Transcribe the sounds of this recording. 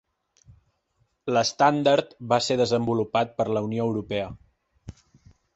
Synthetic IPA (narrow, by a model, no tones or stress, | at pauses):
ləst̪and̪aɾt̪βaseðəzəmbulupat̪̚pəɾləunioəwɾupɛə